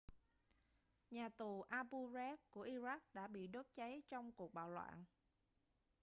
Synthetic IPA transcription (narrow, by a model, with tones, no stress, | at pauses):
ɲaː˨˩t̪u˨˩ʔaː˧pu˧zɛ˦˥p̚ku˧˩əʔi˧za˦˥k̚ɗa̰ː˧˥ɓḭ˧˨ɗo˦˥t̚t͡ɕa˨˦jt͡ɕɔ˧wŋ͡mku˨˩ək̚ɓa̰ː˧˨wlwa̰ː˧˨n